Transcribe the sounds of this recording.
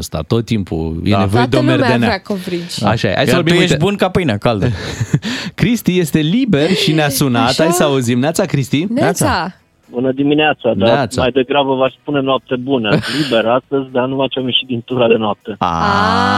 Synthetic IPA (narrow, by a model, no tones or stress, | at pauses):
st̪a̰t̪o̞t̪ːimpṵjenevojed̪eo̞merd̪enakovɾit͡ʃa̰ʃajḛʔa̰jsəvorbieʃbunkapəjnakald̪ə | kɾist̪ijest̪e̞libe̞rʃineasunat̪ajsəauzimneat̪sakɾist̪inasa | bunəd̪imineat̪sanaat̪smmajd̪eɡɾabəvaspunemnoap̚t̪e̞bunəlibe̞ɾast̪əzʲd̪anumat͡ʃamjeʃit̪̚d̪int̪uɾad̪e̞noap̚t̪e̞a̰